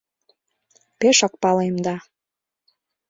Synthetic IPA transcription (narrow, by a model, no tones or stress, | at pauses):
peʃə̆k̚pɑlemd̪ɑ